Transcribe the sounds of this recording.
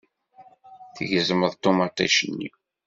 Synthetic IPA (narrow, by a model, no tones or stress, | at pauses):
θəʝəzməðˤt̪ːomɑt̪ˤæ̰ʃənːḭ